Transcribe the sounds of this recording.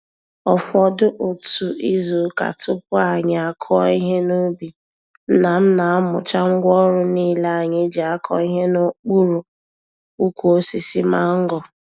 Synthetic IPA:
ɔ˨fɔ˦dʊ˦ʔo˨tu˨i˦zu˨˦ka̰˨tʊ˦pʊ˦a˨ɲɪ˨a˨kʰɔ˦ɔ˦i˦ɦe˦no˦bi˨ | n̩˦na˨m̩˦na˨a˦mʊ̰˨t͡ʃa˦ŋ̩˦ɡʷɔ˦ɾʊ˦niː˦le˦a˨ɲɪ˨˦d͡ʒe˨a˦kʰɔ̰˦i˦ɦe˦no˦k͡pu˦ɾu˨ | u˦kʷu˨o˦si˨si˦ma˦ŋ̩˦ɡɔ˨

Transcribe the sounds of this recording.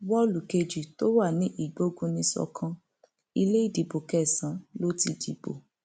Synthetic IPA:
wɔ˦lu˨ke˧d͡ʒi˨to˦wa˦˨nĩ˦ʔi˦˨ɡ͡bo˨˦ɡũ˦nĩ˧sɔ̰˧kʰã˧ | i˧le˦i˦˨di˨bo˨kɛ˦˨sã˨˦lo˦ti˧dḭ˨bo̰˨

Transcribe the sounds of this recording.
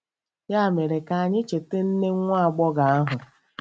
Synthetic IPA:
ja˦˨me˨ɾe˨ka˨a˨ɲɪ˦t͡ʃe˨te˦n̩˦ne˦ŋʷa˦a˨ɡ͡bɔ˦ɡa˨a˦ɦʊ˨

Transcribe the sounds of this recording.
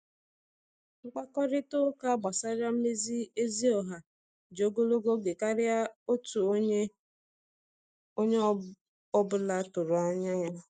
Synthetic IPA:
ŋ͡m̩˦k͡pa˦kɔ˦ɾɪ˦to˦ka˦ɡ͡ba˨sa˦ɾa˦m̩˦me˦zi˦e˦zi˦ɔ˨ɦa˨ | d͡ʒo˨ɡo˦lo˦ɡo˦ɡe˨ka˦ɾɪ˦a˦o˦tu˨o˦ɲe˦ | o˦ɲe˦ | ɔ˦bʊ˦la˦tʊ˨ɾʊ˨a˦ɲa˦ɲa˦

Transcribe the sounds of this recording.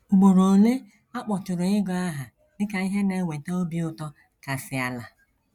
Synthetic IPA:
ɡ͡bo˨ɾo˨le˦ | a˦k͡pɔ˨tʊ˨ɾʊ˨ɪ˦ɡɔ˨a˦ɦa˨ | dɪ˦ka˨i˦ɦe˦ne˨˦˨wʷe˨to˦o˦bi˦ʊ˦tɔ˦ | ka˨sɪ˨a˨la˨

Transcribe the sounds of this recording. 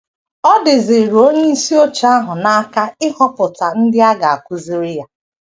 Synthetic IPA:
ɔ˦dɪ˨ze˨ɾu˨o˦ɲe˦i˦si˦o˦t͡ʃa˦ɦʊ˨na˦a˦ka˦ɪ˦hɔ˦pʊ˨ta˨n̩˦dɪ˦a˦ɡa˨a˨kʷu˦zi˦ɾɪ˦ja˦

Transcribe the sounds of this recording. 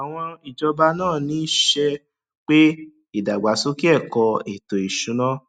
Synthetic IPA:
a˨w̃ɔ̃˧i˨d͡ʒɔ˧ba˧nãː˦˨nĩ˨˦ʃɛ˧ | k͡pe˦ | i˦˨da˨ɡ͡ba˨˦so˦ki˦ɛ˦˨kɔ˧e˨to˨i˨ʃũ˨˦nã˦

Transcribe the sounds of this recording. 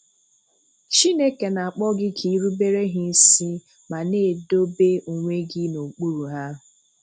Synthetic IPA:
t͡ʃi˦ne˦ke˨na˨a˨k͡pɔ˦ɡɪ˦kʰi˨˦ɾu˦be˦ɾe˦ɦɪ˦n̩˦si˦ | ma˨ne˦˨do˦be˦u˨ŋʷe˦ɡɪ˦no˨k͡pu˦ɾu˨ɦa˦˨

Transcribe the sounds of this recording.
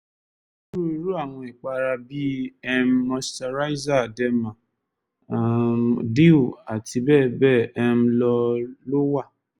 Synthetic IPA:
ʃu˦˨ɾɾu˦a˦˨w̃ɔ̃˧i˨k͡pa˧ɾa˧bi˦ɛ˦m̩ː˦ɔ̃˧sta˧ɾa˦i˦za˦˨dɛ˦mã˨ | di˦u˦˨a˨ti˧bɛː˦˨bɛ˦˨ɛ˧m̩˦lɔ˧lo˦wa˦˨

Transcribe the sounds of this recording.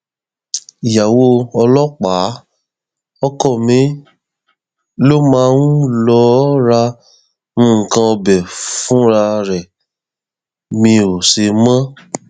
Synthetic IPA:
i˨ja˨wo˧˦ɔ˧lɔ˦k͡pa˨˦ | ɔ˦kɔ˦˨mĩ˨˦ | lo˦mãː˨˦w̃ũ˦lɔ˧˦ɾa˧ | ñ̩˦˨kã˧ɔ˧bɛ˨fũ˦ɾa˧ɾɛ˨ | mĩ˧o˨se˧mã˦

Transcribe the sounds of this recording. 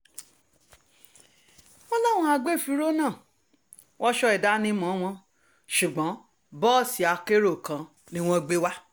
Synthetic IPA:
ɔ˦lɔ˦wũ˧˦a˧ɡ͡be˦˨fi˧˦ɾo˦nãː˦˨ | wʔɔ˦ʃɔ˧ɛ˨da˨˦nĩ˧mɔ̃˨˦w̃ɔ̃˧˦ | ʃu˨ɡ͡bɔ̃˨˦ | bɔ˦˨si˨a˧ke˦ɾo˦˨kã˧ | nĩ˦w̃ɔ̃˦ɡ͡be˦wa˦

